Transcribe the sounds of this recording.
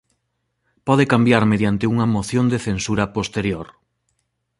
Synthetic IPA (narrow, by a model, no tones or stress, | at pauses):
pɔðekambjaɾmeðjant̪ɪuŋɐmoθjond̪eθensuɾɐpost̪eɾjoɾ